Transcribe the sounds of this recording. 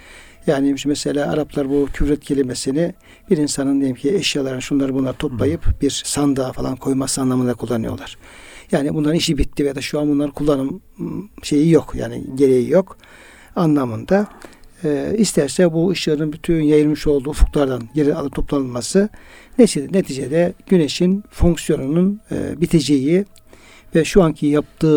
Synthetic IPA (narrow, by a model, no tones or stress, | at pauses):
jaːnimʃmɛselʲaːa̰ɾaplˠaɾbucʰybɾɛt̪̚cʰe̞lʲimesinɪ | b̥iɾinsanɯnd̪ejimcʰieʃjalˠaɾɯnɯʃunlˠaɾɯbunˠaɾɯt̪ʰo̞plˠajɯpbiɾsand̪afalˠa̰nkʰo̞jmasɯanlˠamɯnd̪akʰulˠːanɯ̰jo̞̰lˠaɾ̥ | jaːnibunˠaɾɯniʃibit̪ːivjad̪aʃuanbunlˠaɾkʰulˠːanɯm | ʃe̞jijo̞kja̰ːnḭɟe̞ɾe̞jijo̞k | anlˠamɯnd̪aɯːist̪ʰæɾsɛbuːʃɯːnɯnbyt̪ʰynjajɯɾmɯʃo̞lˠd̪uːufu̥klˠaɾd̪anɟeɾialˠɯp̚t̪ʰo̞plˠanɯlˠmasɯnet͡ʃid̪ne̞t̪ʰiːd͡ʒed̪ɛɟ̥yneʃinfo̞ŋksjo̞nunun̰bit̪ʰed͡ʒeji | vɛʃuancʰijap̚t̪ɯː